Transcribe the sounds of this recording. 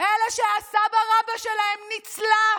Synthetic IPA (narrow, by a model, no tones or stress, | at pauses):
ʔelaʃeasabaʁabaʃelahemnit͡sla